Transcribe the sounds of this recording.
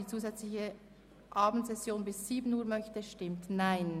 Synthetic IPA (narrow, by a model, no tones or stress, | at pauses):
iːt͡suːzɛt͡slɪçə | ʔɑːbn̩tz̥ɛsjoːnbɪsz̥iːbənuːɐmœçtəʃtɪmtnaɪn